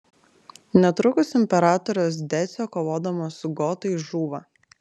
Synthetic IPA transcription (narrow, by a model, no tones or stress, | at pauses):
nʲɛt̪ɾʊkʊsɪmʲpʲɛɾɑːt̪ɔɾʲoːs̬d̪ʲæsʲoːkoːʋoːd̪ɐmoːsʊɡoːt̪ɐɪʒuːʋɐ